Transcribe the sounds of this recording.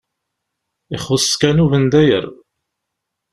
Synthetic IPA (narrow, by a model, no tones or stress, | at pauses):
iχʊskænuvənd̪æjə̰ɾ